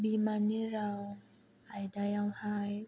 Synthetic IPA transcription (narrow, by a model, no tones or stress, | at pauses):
bimaniɾaw | ʔajdajawhaj